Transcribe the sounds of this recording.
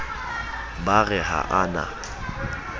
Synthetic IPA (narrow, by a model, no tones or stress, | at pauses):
baɣɛɦa̰ʔana̰